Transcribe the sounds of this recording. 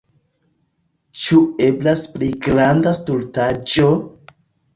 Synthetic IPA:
t͡ʃueblaspliɡɾandastultad͡ʒo

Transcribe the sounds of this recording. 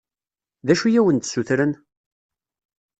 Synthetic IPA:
ðæʃujæwənt̪suθɾən

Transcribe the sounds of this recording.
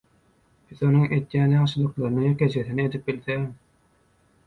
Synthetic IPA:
b̥iθo̞nuŋʔe̞d̪jæːnjɑŋʃɯlˠɯqlˠɑɾɯnɯjeket͡ʃʰeθinied̪ip̚bilθe

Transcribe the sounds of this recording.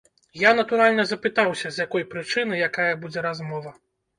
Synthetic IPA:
janɐt̪uɾalʲnɐzɐpɨt̪awsʲɐzʲjakɔjpɾɨt͡ʂɨnɨjakajɐbud͡zʲɛɾazmɔvɐ

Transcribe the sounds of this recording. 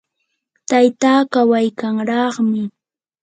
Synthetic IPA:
t̪ajt̪aːkawajkaŋɾɑχmɪ

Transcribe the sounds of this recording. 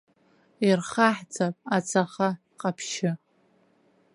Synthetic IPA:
irχaħd͡zʰʼapʼat͡sʰaχa | qʼapʰʃɪ

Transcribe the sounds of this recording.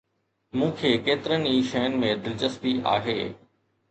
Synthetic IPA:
mũːkʰeːkeːt̪ɪɾəniːʃɐjənɪ̆mẽd̪ɪlt͡ɕəst̪ia̰ːɦeː

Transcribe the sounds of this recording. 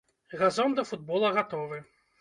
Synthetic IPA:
ɣazɔnd̪ɐfud̪bɔlˠɐɣat̪ɔvɨ

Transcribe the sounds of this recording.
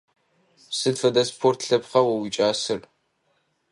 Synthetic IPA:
sɨdfɐdɐspʰoːrtʰɬɐpχɐwɐwit͡ʃʼaːsɨr

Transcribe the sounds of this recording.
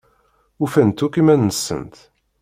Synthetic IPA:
ufænt̪ukimænːəsːə̰nt̪

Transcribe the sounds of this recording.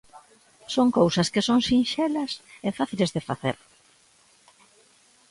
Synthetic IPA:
soŋkowsɐskɪsoŋsinʃɛlɐsɛfaθilezðefaθḛɾ

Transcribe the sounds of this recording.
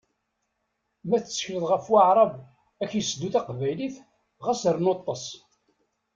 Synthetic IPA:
mæθt͡sːçləðˤʁəfwaʕɾˤɑv | æçjəsəd̪uθæqvæjliθ | ʁæsəɾnot̪ˤːɑsˤ

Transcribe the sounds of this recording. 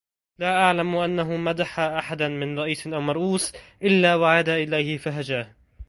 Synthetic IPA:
laːʔaʕlamʔanːaɦʊmad̪aħaːʔaħad̪anmɪnɾˤɑʔiːsʔawmɑɾˤʔuːsʔɪlːaːwaʕaːd̪aʔɪlajhɪfaɦad͡ʒaːh

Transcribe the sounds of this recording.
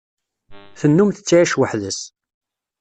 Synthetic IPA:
θənːumθə̥t͡sːiʕiʃwəħðəs

